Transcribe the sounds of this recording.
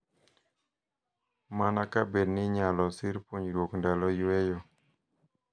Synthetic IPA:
manakabednɪɲalɔsɪɾpoɲɾwokndalɔjwɛjɔ

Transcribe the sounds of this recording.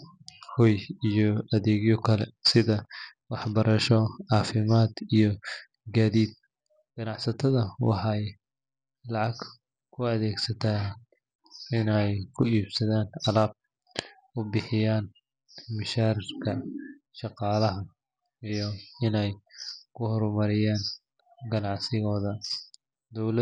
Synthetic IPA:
hɔjijɔɐðɛːɣjɔkʰɐlɛ̰sɪðɐwɑħbɐɾɐʃɔʕɑːfɪmaːd̪ijɞ | ɡaːðiːd̪̚ | ɡ̥ɐnɑʕsɐt̪ʰɐðɐwɑ̰ħɑj | lɑʕɑɡ | kʰʊɐðɛːɡsɐt̪ʰaː | ɪnɛjkʰʊiːbsɐðaːnʕɑlaːb̚ | ʊbɪħɪjaːn | mɐʃaːɾɪrkʰɐ | ʃɑqɑːlɐɦɐ | ijɔɪnɛjkʰʊhɔɾmɐɾɪjaːn | ɡɐnɑʕsɪɣɔːðɐ | d̪ɔwlɐ

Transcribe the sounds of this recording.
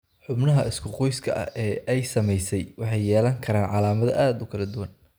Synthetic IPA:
ħʊbnɐɦɐɪskʰʊqɔjskʰɐʔɐ̰ʔɛːʔɛjsɐmɛjsɛjwɑħɑjːɛːlɐŋkʰɐɾaːnʕɑlaːmɐðɐ̰ʔaːd̪ʊkʰɐlɐd̪ʊwɐn

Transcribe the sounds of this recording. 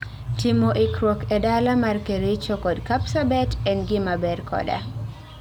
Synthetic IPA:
timoʔikɾɔkɛdalamarkeɾet͡ʃokɔdkapsabɛtɛnɡɪmabɛrkʰɔ̰da̰

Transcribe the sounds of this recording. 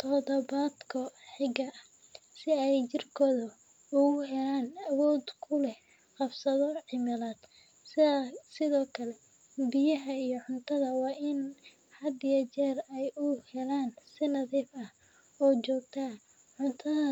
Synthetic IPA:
t̪ʰɔðɔβaːd̪kʰɔħɪɡɐ | sɪɛjt͡ʃɪrkʰɔːðɐ | ʊɣʊɦɛlaːnɐwɔːd̪kʰʊlɛh | qɑbsɐðɔʕɪmɐlaːd̪̥ | sɪsɪðɔːkʰɐlɛ | bɪjɐɦɐijɞʕʊnt̪ʰɐðɐwɑːʔɪn | hɐd̪ɪjɐt͡ʃɛːrɛjʊhɛlaːnsɪnɐðiːfɐh | ɔːt͡ʃɔːɡ̚t̪ʰɐ | ʕʊnt̪ʰɐðɐ

